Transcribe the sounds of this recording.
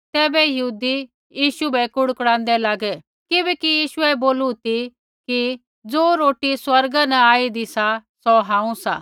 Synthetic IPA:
t̪ɛːbɛjɐɦuːd̪i | jiːʃubɛkʊɽkɽãːnd̪ɛlaːɡɛ | kɪbɛkijiːʃʊɛboːlut̪i | ki | d͡zoːɾoːʈiswɐɾɡanɐaːid̪isasɔɦãːũsa̰ː

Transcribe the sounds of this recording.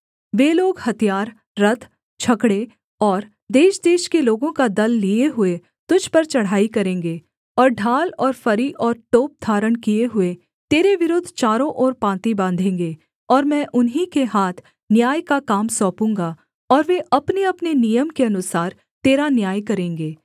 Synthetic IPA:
ʋeːloːɡhɐt̪ijaːɾː | ɐt̪ʰ | t͡ʃʰɐkɽe | ɔːɾ | d̪eːʃd̪eːʃkeloːɡõkad̪ɐlːieɦʊe | t̪ʊd͡ʒʱpɐɾt͡ʃɐɽ̤aːikɐɾẽːŋɡeː | ɔːɾɖʱaːlɔːɾfɐɾiʔɔːɾʈoːp̚d̪ʱaːɾəɳkijeɦʊe | t̪eːɾeʋɪɾʊd̪ʱt͡ʃaːɾõʔɔːɾpãːnt̪ibãːnd̪ʱẽːŋɡe | ɔːɾmɛ̃ːʔʊnɦikeɦaːt̪ʰ | njaːjkakaːmsɔ̃ːpũːŋɡa | ɔːɾʋeʔɐpneɐpnenijəmkeɐnʊsaːɾ | t̪eːɾanjaːjkɐɾẽːŋɡeː

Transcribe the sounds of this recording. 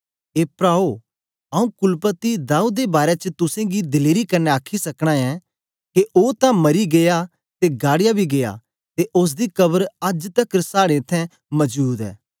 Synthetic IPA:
eːpɾaːo | ɐũkʊlpət̪id̪aːud̪ebaːɾet͡ʃət̪ʊsẽɡid̪ɪleːɾikɐɾneaːkʰisɐkɽ̃ãɛ̃ | keʔoːt̪ãmɐɾiɡeːja | t̪eɡaːɽɪjabʱiɡeːja̰ | t̪eʔʊs̬d̪ikɐbəɾɐd͡ʒt̪ɐkɾsaːɽet̪ʰːɛ̃ | mɐd͡ʒbuːd̪ɛ̰ː

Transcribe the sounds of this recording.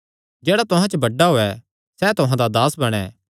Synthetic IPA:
d͡ʒɛːɽat̪ʊɦãt͡ʃəbɐɖːaɦoːɛ | sɛt̪ʊɦãd̪ad̪aːsbɐɽ̃ɛ̰ː

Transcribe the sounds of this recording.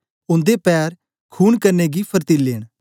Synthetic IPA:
ʊ̃nd̪epɛːɾ | kʰuːnkəɾneːɡipʰəɾt̪iːleːɽ̃

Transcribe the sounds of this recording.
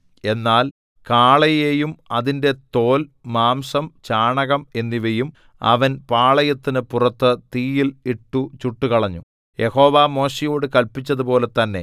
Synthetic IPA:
e̞nːaːl | kaːɭɐjejumɐðinde̞t̪o̞ːlmaːmsɐmt͡ɕaːɳɐɣɐme̞nːiʋejum | ɐ̰ʋɐnpaːɭɐjɐt̪ːinɨpurɐt̪ːɨt̪iːjiliʈːut͡ɕuʈːukɐɭɐɲːu | jʔe̞ho̞ːʋaːmo̞ːɕijo̞ːɽɨkɐlpit͡ɕːɐðupo̞ːle̞t̪ɐnːe̞̰

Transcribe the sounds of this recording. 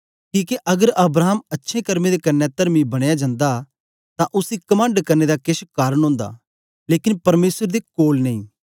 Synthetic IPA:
kiːkeʔɐɡəɾɐbɾaːəmɐtːʃʰẽkɐɾmẽd̪ekɐnːɛt̪ɐɾmibɐɽ̃ejad͡ʒãːnd̪a | t̪ãʔʊsikɐmãːɳɖkɐɾned̪akɪʃkaːɾəɽ̃ɦõːnd̪a̰ | leːkɪnpɐɾmeːsəɾd̪ekoːlnɐĩː

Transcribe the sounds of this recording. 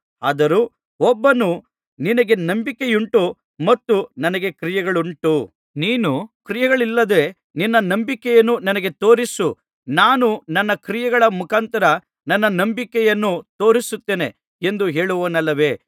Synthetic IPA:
a̰ːd̪ɐɾu | ɔbːɐnu | ninɐɡe̞nɐmbikejuɳʈu | mɐt̪ːunɐnɐɡe̞kɾijɛɡɐɭuɳʈu | niːnukɾijɛɡɐɭilːɐd̪e̞ | ninːɐnɐmbikɛjɐnːunɐnɐɡe̞t̪o̞ːɾisu | naːnunɐnːɐkɾijɛɡɐɭɐmukʰaːnt̪ɐɾɐ | nɐnːɐnɐmbikɛjɐnːut̪o̞ːɾisut̪ːeːne̞ | end̪uɦe̞ːɭuʋɐnɐlːɐʋe̞ː

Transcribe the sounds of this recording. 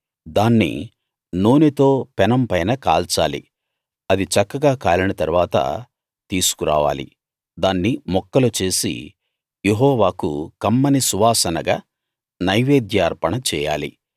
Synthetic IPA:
d̪aːnːḭ | noːnit̪o̞ːpɛnɐmpɐjnɐka̰ːlt͡ʃaːlḭ | ɐd̪it͡ʃɐkːɐɡaːkaːlinɐt̪ɐɾuʋaːt̪ɐ̰ | t̪iːsu̥kuɾa̰ːʋa̰ːlḭ | d̪aːnːimɔkːɐlot͡ʃe̞ːsḭ | jeɦɔːʋaːkṵkɐmːɐnisuʋaːsɐnɐɡaː | nɐjʋeːd̪jaːɾpɐɳɐt͡ʃɛːja̰ːlḭ

